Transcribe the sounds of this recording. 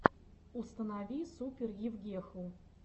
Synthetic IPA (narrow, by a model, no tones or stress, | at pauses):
ust̪ənavʲisupʲɪrjɪvɡʲexu